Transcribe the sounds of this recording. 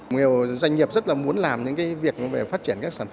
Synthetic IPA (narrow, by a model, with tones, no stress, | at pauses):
ŋi˨˩əwzwa˧jŋ̟ːi˨˩əp̚zt̚laː˨˩mu˨˦ənlaː˨˩mɲɨ̰˧˥ŋkaː˨˦jvi˨˩ək̚ve˨˩faː˦˥t̚t͡ɕi˧˩ənkaː˦˥ksaː˧˩nf